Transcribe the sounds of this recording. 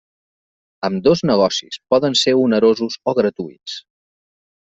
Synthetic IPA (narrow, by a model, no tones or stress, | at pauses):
əmd̪oznəɣ̞ɔsḭspɔðənseunəɾozuzoɣɾət̪uḭt͡s